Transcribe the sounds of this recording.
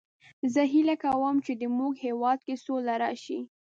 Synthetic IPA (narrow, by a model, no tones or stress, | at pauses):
zəɦilakawəmt͡ʃed̪əmuɡhewɑd̪̚kesolaɾɑʃi